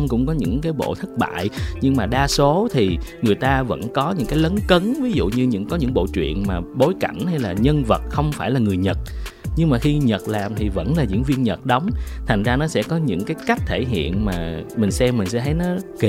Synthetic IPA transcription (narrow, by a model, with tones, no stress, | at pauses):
ŋ͡mkʊ̰˧˥ŋ͡mkɔ˨˦ɲɨ̰˧˥ŋkaː˨˦jɓo̰˧˨t̪ʰə˦˥k̚ɓa̰ː˧˨jɲɨ˧ŋmaː˨˩ɗaː˧so˨˦t̪ʰi˨˩ŋɨ˨˩əjt̪aː˧və̰˧˥nkɔ˨˦ɲɨ̰˧˥ŋkaː˨˦jlə˨˦nkə˨˦nvi˨˦zṵ˧˨ɲɨ˧ɲɨ̰˧˥ŋkɔ˨˦ɲɨ̰˧˥ŋɓo̰˧˨t͡ɕwḭ˧˨ənmaː˨˩ɓo˨˦jka˧˩jŋ̟ha˧jlaː˨˩ɲə˧nvə˨˩t̚xə˧wŋ͡mfaː˧˩jlaː˨˩ŋɨ˨˩əjɲə˨˩t̚ | ɲɨ˧ŋmaː˨˩xi˧ɲə˨˩t̚laː˨˩mt̪ʰi˨˩və̰˧˥nlaː˨˩zɨ̰˧˥əŋvi˧ənɲə˨˩t̚ɗə˨˦wŋ͡mt̪ʰa˨˩ŋ̟zaː˧nɔ˨˦sɛ̰˧˥kɔ˨˦ɲɨ̰˧˥ŋkaː˨˦jka˦˥jk̟̚t̪ʰe˧˩ɦḭ˧˨ənmaː˨˩mï˨˩ŋ̟sɛ˧mːï˨˩ŋ̟sɛ̰˧˥t̪ʰə˨˦jnɔ˨˦k